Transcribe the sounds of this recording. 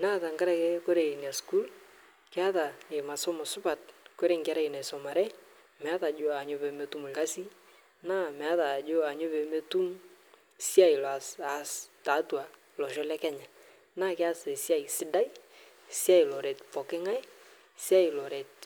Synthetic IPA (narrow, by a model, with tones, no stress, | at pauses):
na˦ta˨ŋɡa˦ɾa˨kɛ˦ko˦ɾe˨n˨a˨sku˦l | kɪ˦a˦ta˨ŋe˨ma˨sɔ˦mɔ˨sʊ˦pa˨t̚ko˦ɾe˦ŋɡa˦ɾa˦i˨na˨sɔ˨ma˨ɾɛ˦ | mɛ˨a˦ta˨d͡ʒo˦a˨ɲo˦be˨me˦tu˦m˨lka˦si˦ | na˦mɛ˨a˦ta˨d͡ʒo˦a˨ɲo˦pe˨me˦tu˦m | si˦a˦i˨la˨sa˨sta˨˦twa˨ | lɔ˨ʃɔ˦lɛ˦kɛ˦ɲa˨ | na˦kɪ˦a˦se˨sja˦i˨sɪ˦da˦i˦ | sja˦i˨lɔ˨ɾɛ˨tpɔ˨kɪ˦ŋa˦j | sja˦i˨lɔ˨ɾɛ˨t̚